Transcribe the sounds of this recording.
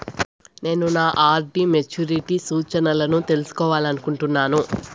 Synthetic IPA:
ne̞ːnunaːʔaːɾɖimet͡ʃuɾiʈisuːt͡ʃɐnɐlɐnut̪e̞lusu̥kɔːʋaːlɐnukuɳʈunːaːnu

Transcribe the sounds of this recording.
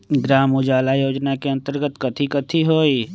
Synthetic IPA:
ɡɾaːmud͡ʒaːlajoːd͡ʒnakeɐ̃nt̪əɾɡət̪kɐt̪ʰikət̪ʰiɦoːi

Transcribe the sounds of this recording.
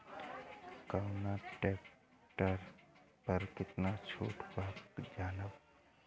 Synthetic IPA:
kawnaʈeːp | ʈəɾ | pəɾkɪt̪nat͡ʃʰṵːʈbaːkd͡ʒaːnəb

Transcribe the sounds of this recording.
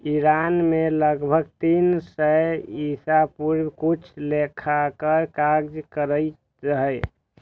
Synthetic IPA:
iɾanmeləɡbʱəɡt̪insəisapuɾkut͡ʃʰlekʰakəɾkaɡd͡ʒkəɾəj | ɾəɦəj

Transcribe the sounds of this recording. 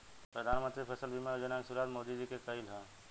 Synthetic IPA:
pɾəd̪ʱanmə̃nt̪ɾipʰesəlbimaɾod͡ʒənaŋsuɾad̪mod̪id͡ʒikekəilɦə̃

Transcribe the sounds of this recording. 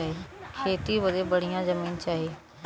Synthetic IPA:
aːɦeːkʰeːt̪iːbəd̪eːbəɽijãːzəmiːnt͡ʃaːɦeː

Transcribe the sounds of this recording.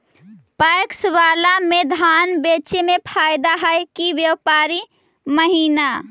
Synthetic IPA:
pajksʋaːlamed̪ʱaːnbet͡ʃemepʰaːɪd̪aɦəjkiʋjəwpaːɾi | məɦiːna

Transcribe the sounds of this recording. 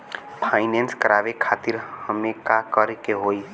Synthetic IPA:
pʰaːɪnɛ̃ːnskəɾaːʋekʰaːt̪ɪɾhəmẽkakəɾkeɦoːi

